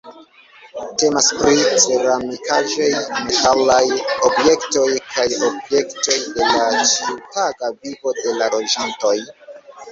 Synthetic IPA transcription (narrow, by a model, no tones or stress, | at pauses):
te̞maspɾit͡se̞ɾamikaʒejme̞talajobje̞kto̞jkʰajobje̞kto̞jde̞lat͡ʃiutaɡavibo̞de̞lalo̞d͡ʒanto̞j